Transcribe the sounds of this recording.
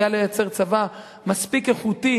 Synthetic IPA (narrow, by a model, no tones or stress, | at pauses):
alejat͡se̞ʁt͡sava | maspike̞χut̪i